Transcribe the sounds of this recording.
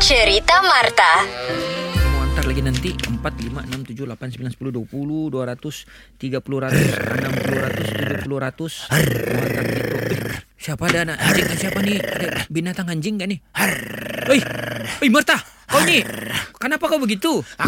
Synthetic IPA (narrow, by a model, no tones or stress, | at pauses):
t͡ʃəɾit̪amart̪a | moant̪arlaɡinant̪iəmpat̪limaənamt̪ud͡ʒʊhlapansəmbilansə̥puluduapuluduaɾat̪ʊst̪iɡapuluɾat̪ʊsənampuluɾat̪ʊst̪ud͡ʒupuluɾat̪ʊsmoa̰nt̪arbəɡit̪uohsiapadanaaɲd͡ʒɪŋkansiapaniadabinat̪aŋaɲd͡ʒɪŋkanɪ | ojojmərt̪a | kawnikənapakawbəɡit̪u